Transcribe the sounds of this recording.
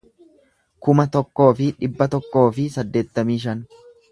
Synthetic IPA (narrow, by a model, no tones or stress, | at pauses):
kʊmɐt̪ɔkːo̞ːfɪᶑɪbːɐt̪ɔkːo̞ːfɪsɐd̪ːe̞ːt̪ːɐmiːʃɐn